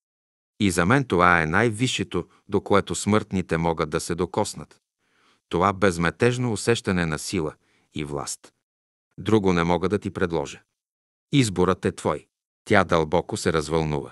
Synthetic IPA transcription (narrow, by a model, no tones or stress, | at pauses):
izɐmɛnt̪ovaɛnajviʃɛt̪o | d̪okoɛt̪osmɤɾt̪nit̪ɛmɔɡəd̪ːɐsɛd̪okɔsnət̪ː | ovabɛzmɛt̪ɛʒnoːsɛʃt̪ɐnɛnɐsilˠə | ivlˠa̰st̪ | d̪ɾuɡonɛmɔɡəd̪ɐt̪ipɾɛd̪lˠɔ̰ʒə | izboɾət̪ɛt̪vɔj | t̪ʲjad̪ɐlˠbɔkosɛɾɐzvɐlˠnuvə̰